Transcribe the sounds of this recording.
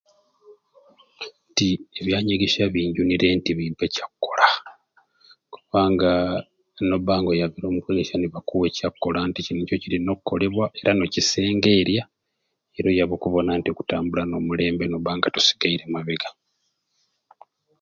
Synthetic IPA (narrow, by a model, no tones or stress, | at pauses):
ntieβjaːɲeɡe̞ʃaβiːɲɟuniɾe̞ntiβiːmpe̞cakːo̞la | ku̥βaːŋɡa | no̞βaːŋɡo̞jaβiɾo̞ːmukweɡeʃaniβakuwe̞cakːo̞lanticinico̞ciɾino̞kuko̞le̞βwaʔe̞ɾano̞cise̞ːŋɡe̞ːɾja | e̞ɾo̞jaβo̞kuβo̞nantio̞ku̥taːmbulano̞mule̞ːmbe̞noβaːŋɡatu̥si̥ɡaiɾe̞maβeɡa